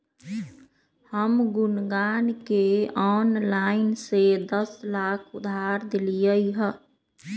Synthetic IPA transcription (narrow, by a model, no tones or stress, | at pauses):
həmɡunɡankeɔnlaɪnsed̪əslakʰud̪ʱaɾd̪elijəjɦə